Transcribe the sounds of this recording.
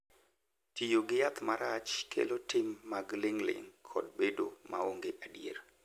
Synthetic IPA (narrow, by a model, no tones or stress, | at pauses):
tijoɡɪjat̪maɾat͡ʃkʰḛlotɪmːaɡlɪŋlɪ̰ŋkʰɔ̰dbedomaoŋɡeʔadiḛɾ